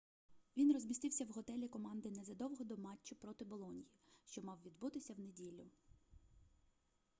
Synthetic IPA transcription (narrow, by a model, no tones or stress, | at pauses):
ʋʲinrɔzʲmʲist̪ɪwsʲɐwɦɔt̪ɛlʲikɔmɑnd̪ɪnɛzɐd̪ɔwɦɔd̪ɔmɑt͡ʃːʊpɾɔt̪ɪbɔlˠɔnʲijiʃt͡ʃɔmɑwʋʲid̪but̪ɪsʲɐwnedʲilʲːʊ